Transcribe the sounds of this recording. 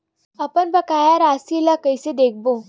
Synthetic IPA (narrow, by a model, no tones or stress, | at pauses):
əpəɳbəkajaɾasilakəjsed̪ek̚ʰbo